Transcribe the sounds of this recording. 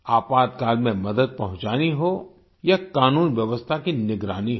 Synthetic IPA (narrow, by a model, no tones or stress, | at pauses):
aːpaːd̪̚kaːlmẽmɐd̪əd̪̚pɐɦʊ̃ɲt͡ʃaːniɦo | jakaːnuːnʋjɐʋəst̪ʰakinɪɡɾaːniɦ